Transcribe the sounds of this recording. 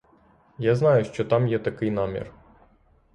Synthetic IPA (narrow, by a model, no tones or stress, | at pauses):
jaznɑjʊʃt͡ʃɔt̪ɑmjɛt̪ɐkɪjnɑmʲḭr